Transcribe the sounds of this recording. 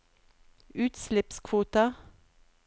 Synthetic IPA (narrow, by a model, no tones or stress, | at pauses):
ʉːt̪slɛpskʰʋuːt̪ə